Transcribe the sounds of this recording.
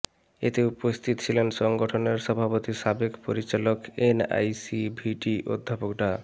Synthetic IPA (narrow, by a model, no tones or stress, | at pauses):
ḛt̪eupost̪ʰit̪o̥t͡ɕʰilenʃɔŋɡoʈʰoneɾʃɔbʱapot̪iʃabekpoɾit͡ɕalokena̰jsibʱiʈiʔo̰d̪ʱːapokɖa